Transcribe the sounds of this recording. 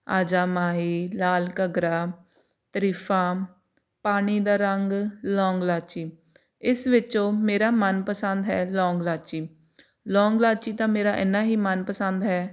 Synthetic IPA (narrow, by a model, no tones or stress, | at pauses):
aːd͡ʒaːmaːɦiːlaːlkəɡɾaː | t̪əɾiːpʰãː | paːɽ̃iːd̪aːɾəŋɡlɔːŋɡlaːt͡ʃiː | ɪsʋɪt͡ʃõːmeːɾaːmənpəsənd̪ɦɛːlɔːŋɡlaːt͡ʃiː | lɔːŋɡlaːt͡ʃiːt̪ãːmeːɾaːʔɪnːaːɦiːmənpəsənd̪ɦɛː